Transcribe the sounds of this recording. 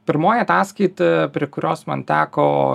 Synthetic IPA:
pʲɪɾmoːjiɐt̪ɑːskɐɪt̪ɪpʲɾʲiɛkʊɾʲoːsmɐ̰nt̪ʲæːkoː

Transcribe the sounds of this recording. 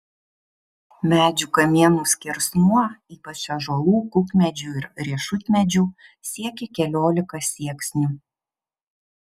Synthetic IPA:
mʲæːd͡ʒʲuːkɐmʲiɛnuːsʲkʲɪɾsnuɔiːpɐt͡ʃɐʒoːlˠuːkʊkmʲɛd͡ʒʲuɪɾɾʲiɛʃʊt̪ʲmʲɛd͡ʒʲuːsʲiɛkʲɛkʲɛlʲoːlʲɪkɐsʲiɛksʲnʲuː

